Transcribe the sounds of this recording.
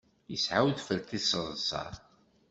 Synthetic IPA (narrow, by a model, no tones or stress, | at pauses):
jəsʕawðfəɾt̪isəðˤsɑ̰ɾˤ